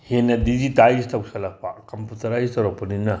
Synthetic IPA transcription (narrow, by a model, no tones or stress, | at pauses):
henɐdid͡ʒitajsitʰɐwsɐlɐpʰakɐmputɐɾajstawɾak̚pɐninɐ